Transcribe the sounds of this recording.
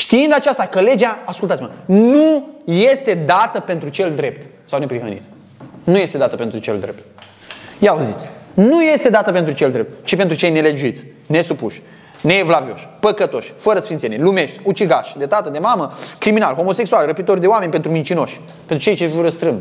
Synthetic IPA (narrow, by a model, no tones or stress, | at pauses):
ʃt̪iind̪at͡ʃast̪akəle̞d͡ʒeaaskult̪at̪sʲimənuje̞st̪e̞d̪at̪əpe̞nt̪ɾut͡ʃe̞ld̪ɾe̞p̚t̪ | sawne̞pɾiɦə̰nḭt̪ | nuje̞st̪e̞d̪at̪əpe̞nt̪ɾut͡ʃe̞ld̪ɾḛp̚t̪̚ | jeauzit̪sʲnuje̞st̪e̞d̪at̪əpet̪ɾut͡ʃe̞ld̪ɾep̚t̪̚t͡ʃipe̞nt̪ɾut͡ʃejne̞le̞d͡ʒuit̪sʲ | ne̞supuʃʲ | neːvlavio̞̰ʃʲpəkət̪o̞ʃʲfəɾəsfint̪senelume̞ʃt̪ʲut͡ʃiɡaʃʲd̪e̞t̪at̪əd̪e̞maməkɾimina̰lxo̞mo̞se̞ksualrəpit̪o̞rd̪eoamenʲpent̪ɾumint͡ʃino̞ʃʲ | pent̪ɾut͡ʃe̞jt͡ʃevuɾəst̪ɾɨmb